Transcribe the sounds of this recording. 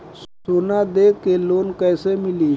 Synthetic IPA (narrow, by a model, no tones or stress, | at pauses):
ssoːnad̪eːkeloːnkɛːsemɪliː